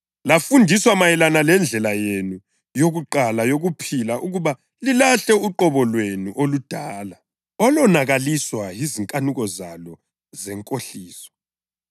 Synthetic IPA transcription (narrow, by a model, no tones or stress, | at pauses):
lafundʱiswamajɛlanalɛnd͡ɮʱɛlajenu | joɣuǃalajoɣupʰilaʔuɣuβa | lilaɬɛuǃɔβɔlwenuʔolud̥ʱaːla | ɔlɔnaɣaliswajiziŋkʼanuɣɔzalɔ | zɛŋkʼoɬiːsɔ̥